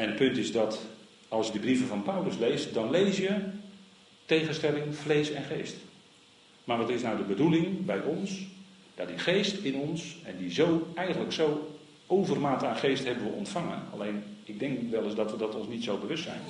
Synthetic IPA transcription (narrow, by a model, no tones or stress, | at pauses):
ɛnət̚pɵntɪsdɔt | ɑlˠsjədəbrivəfɔnpawləslejsdɔnlejzjə | tejɣənstɛlɪŋfleːsɛnχeːst | maːrʋɔtɪsnawdəbədulɪŋbɛjʔɔns | d̥adiχeːstɪnɔnsɛndizowɛjɣənləksow | oːvərmaːtaːnχeːsthɛbənʋəʔɔ̰ntfaŋəna̰lejnɪɡ̚dɛŋkʋɛlˠəsdɔtʋədɔtɔnsnitsowbəʋɵstsɛ̰jn